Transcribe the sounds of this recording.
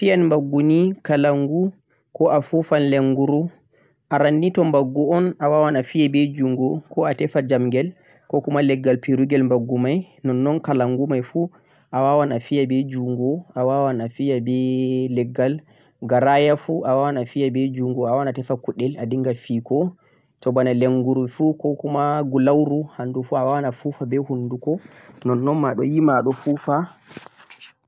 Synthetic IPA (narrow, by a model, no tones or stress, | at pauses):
fijanmbaɡːunikalaŋɡu | kɔʔafufanlɛŋɡuɾu | ʔaɾanːitɔmbaɡːuɔnʔawawanafijabɛd͡ʒuŋɡɔkɔatɛfad͡ʒamɡɛl | kɔkumalɛɡːalpiɾuɡɛlmbaɡːumaj | nɔnːɔnkalaŋɡumajfu | ʔawawanafijabɛd͡ʒuŋɡɔawawanafijabɛlɛɡːal | ɡaɾajafuʔawawanafijabɛd͡ʒuŋɡɔawanatɛfakuɗɛladiŋɡafikɔ | tɔbanaleŋɡuɾufukɔkumaɡulawɾuhandufuawawanafufabɛhunːdukɔnɔnːɔnmaɗɔjimaɗɔfuːfa